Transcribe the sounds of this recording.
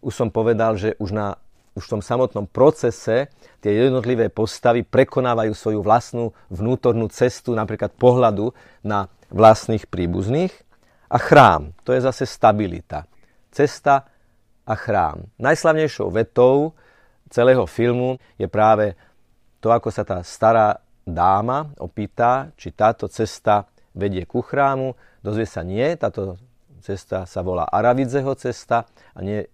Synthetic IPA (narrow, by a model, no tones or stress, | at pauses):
uʃsɔmpɔʋɛd̪alʒɛʔuʒna | uʃft̪ɔmsamɔt̪nɔmpɾɔt͡sɛsɛ | t̪ɪɛjɛd̪nɔt̪liʋɛːpɔst̪aʋipɾɛkɔnaːʋajuːsʋɔjuʋlasnu | ʋnuːt̪ɔɾnuːt͡sɛst̪unapɾiːklat̪̚pɔɦlad̪u | na | ʋlast̪niːxpɾiːbṵzniːx | ʔa̰xɾa̰ːmt̪ɔjɛzasɛst̪abilḭt̪a̰ | t͡sɛst̪a | ʔaxɾa̰ːmnajslaʊɲɛjʃɔ̰ʊʋɛt̪ɔʊ | t͡sɛlɛːɦɔfilmu | jɛpɾaːʋɛ | t̪ɔakɔsat̪aːst̪aɾaː | d̪aːmaʔɔ̰piːt̪at͡ʃit̪aːt̪ɔt͡sɛst̪a | ʋɛɟɪɛkuxɾaːmu | d̪ɔzʋɪɛsaɲɪɛt̪aːt̪ɔ | t͡sɛst̪asaʋɔla̰ːʔaɾaʋid͡zɛɦɔt͡sɛst̪a | a̰ɲɪɛ